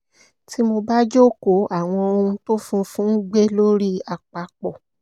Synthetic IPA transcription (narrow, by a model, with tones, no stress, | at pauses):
ti˨˦mo˧ba˦d͡ʒo˦ko˨˦a˨w̃ɔ̃˧o˧ũ˧to˦fũ˧fũ˦n̩˦ɡ͡be˦lo˦ɾi˦a˧˨k͡pa˧k͡pɔ˨